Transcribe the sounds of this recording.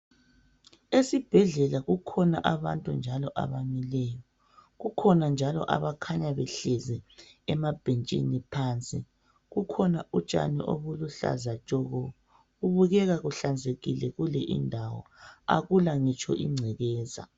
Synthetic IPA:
esib̥ʱɛɮɛlaɣukʰɔnaʔaβantʼund͡ʒʱalɔʔa̰βamilɛjɔ | ɣukʰɔnand͡ʒʱalɔ̰ʔa̰βakʰaɲaβɛɬɛzɛɛmab̥ʱent͡ʃʼḭnipʰaːnt͡sʼḭ | ɣukʰɔnaut͡ʃʼa̰niʔo̰βuluɬa̰zat͡ʃʼɔɣɔ | ɣuβuɣɛɣaɣuɬand͡zʱeɣilɛɣulɛʔḭndʱawɔ̰a̰ɣulaŋit͡ʃʰʼɔ̰ʔiŋ͡ǀʱɛɣɛːza̰

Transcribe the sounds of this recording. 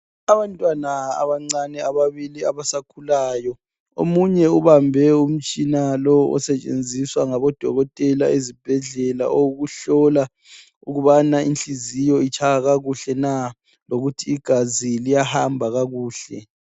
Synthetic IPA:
aβantʼwanaa̰βaŋ͡ǀanɛaβaβiliaβasakʰulaːjɔ | o̰muɲɛuβambʱɛum̩t͡ʃʼinalɔɔ̰sɛt͡ʃʼḛnd͡zʱiswaŋaβɔd̥ʱɔɣɔtʼɛlaezib̥ʱɛɮɛla̰ʔowuɣuɬɔla | uɣuβanaint͡ɬizijɔit͡ʃʰaɣaɣaɣuɬɛna | loɣutʰiːɡ̥ʱazilijahambʱaɣaɣuːɬɛ

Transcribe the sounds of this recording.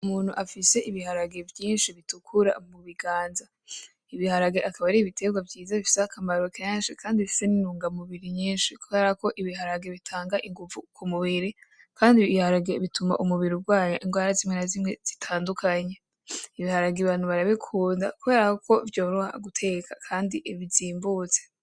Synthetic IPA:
umuːn̥huʔafise̞ʔiβiɦaɾaɡe̞vjiːnʃiβitukʰuɾa̰muβiɡaːnza | iβihaɾaɡeʔakaβaɾiːβitʰe̞ɡwavɟiːzaβifi̥seakʰamaɾokeːnʃikʰaːndiβifi̥seninuːŋɡamuβiɾiɲiːnʃikuβe̞ːɾako̞ʔiβiɦaɾaɡe̞βitʰaːŋɡaʔiŋɡuvukumuβiɾi | kʰaːndiβihaɾaɡeβitʰuma̰ʔumuβiɾibɡwaːɲo̰ʔiŋɡwaːɾazimŋenazimŋe̞z̥itʰaːndukʰaɲe | iβihaɾaɡeβaːn̥huβaɾaβikʰuːnda̰kuβe̞ːɾahokʰo̞vjo̞ːɾuha̰ɡutʰe̞kʰḁkʰaːndiʔβiziːmbuːt͡se̥

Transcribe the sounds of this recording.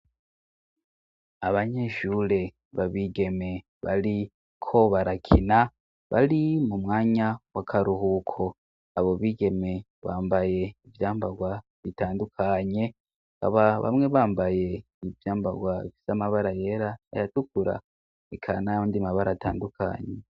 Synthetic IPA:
aβaɲe̞ːʃuɾe̞ | βaβiːɡe̞me̞ | βali | kʰo̞βaɾakʰina | βa̰limumŋaːɲawakʰaɾuhukʰo̞ | aβo̞βiːɡe̞me̞ | βaːmbaje̞ivjaːmbaɡwa | βitaːndukʰaɲe̞ | ka̰βaβa̰mŋe̞βaːmbaje̞ | ivjaːmbaɡwafisamaβaɾaje̞ɾaḛjatukuɾa̰ | ekʰanajoːndimaβaɾata̰ːndukʰa̰ɲe

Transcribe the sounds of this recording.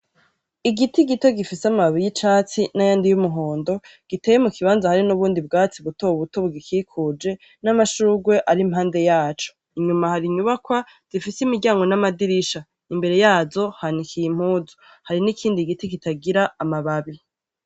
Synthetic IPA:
iɡitiɡito̞ɡifiseamaβaβijit͡ʃaːt͡sinajaːndijumuɦo̞ːndo̞ | ɡ̥ite̞ːjemukiβaːnzahaɾinuβuːndib̚ɡaːt͡siβutoβuβuto̞βuɡikikʰud͡ʒe̞ | namaʃuuɡwe̞ʔaɾimhaːnde̞jaːt͡ʃo̥ | iɲumahaɾiɲuβakwa | z̥ifisimiɾɟaːŋɡo̞namadiɾiʃa | imbe̞ɾe̞jaːzo̞hanikʰijim̥huːzo | haɾinikʰiːndiɡitikitaɡiɾaːmaβaβi

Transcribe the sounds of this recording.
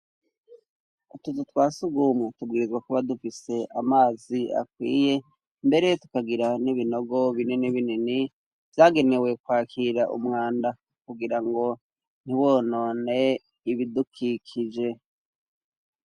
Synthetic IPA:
utuzutwaːsuɡumŋutubɡiːɾizwakuβadufise̞ʔamaːzia̰kwḭːje̞ | mbe̞ɾejetu̥kaɡiɾaniβino̞ɡo̞βininiβinini | v̥jaːɡe̞ne̞we̞kwaːkʰiɾaʔṵmŋaːnda | kuɡiɾaŋɡo̞ | n̥hiwo̞no̞ːne̞ | iβidukʰikʰid͡ʒe̞

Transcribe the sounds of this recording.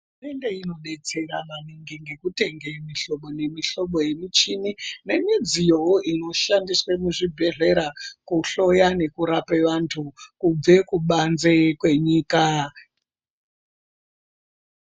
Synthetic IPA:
rume̞nde̞ino̞ɗe̞t͡se̞ɾananiŋɡeŋɡe̞kute̞ŋɡemiɬo̞ɓo̞ne̞miɬo̞ɓo̞je̞mit͡ʃinine̞mid͡zijo̞ʔino̞ʃandiswemuʐibʱe̞ɮe̞ɾakuɬo̞jane̞kuɾapeʋantʰukub͡ve̞kuɓanzekwe̞ɲiːka

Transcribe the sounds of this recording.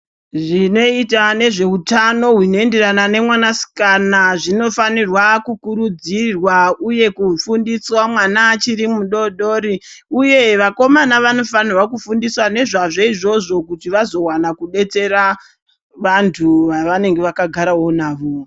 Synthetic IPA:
ʐino̞itane̞ʐe̞utano̞ɦwino̞e̞nde̞ɾanane̞mwanasi̥kanaʐino̞fanirwakukuɾud͡zirwauje̞kufundiswamwanat͡ʃiɾimuɗo̞ɗoɾi | uje̞ʋako̞manaʋano̞fanirwakufundiswane̞ʐaʐe̞iʐo̞ʐo̞kutiʋazo̞wanakuɗe̞t͡se̞ɾa | ʋantʰuʋaʋane̞ŋɡe̞ʋakaɡʱaɾaɦo̞naːʋo

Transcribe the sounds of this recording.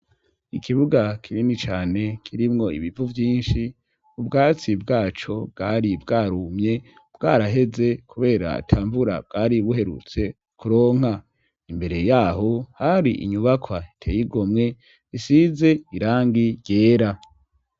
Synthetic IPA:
ikʰiβuɡakʰiɾinit͡ʃaːne̞kʰiɾimŋo̞ḭβivuvjiːnʃi | ubɡaːt͡sib̚ɡaːt͡ʃo̞bɡaːɾibɡaːɾumɲe̞ | bɡaːɾaɦe̞ze̞kʰuβe̞ːɾa̰a̰tʰaːɱvuɾa̰b̚ɡaːɾiβuɦe̞ɾṵt͡se̞ | kuɾo̞ːŋ̥ha | imbe̞ɾe̞jaːɦo̞haɾiʔḭɲuβakʰwaitʰeːjiɡomŋe̞ | isize̞iɾaːŋɡiɾɟeːɾa

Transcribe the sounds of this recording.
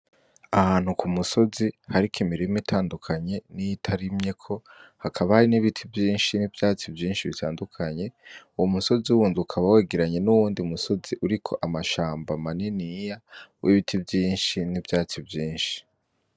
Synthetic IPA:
ahaːn̥hukʰumuso̞zihaɾikʰimiɾimitʰaːndukʰaɲe̞nijitʰaɾimɲe̞kʰo̞hakʰaβahaɾiniβitʰibjiːnʃinivjaːt͡sibjiːnʃiβitʰaːndukʰaɲe̞uwomuso̞ziuwuːnzuukʰaβaweːɡeɾaɲe̞nuwuːndiumuso̞ziʔuɾikʰo̞ʔamaʃaːmbamaninijawʔiβitʰibjiːnʃinibjaːt͡sibjiːnʃi̥

